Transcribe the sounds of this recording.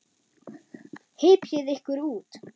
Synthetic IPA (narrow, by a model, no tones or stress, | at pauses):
hɪːpjɪðɪhkvʏɾuːt̪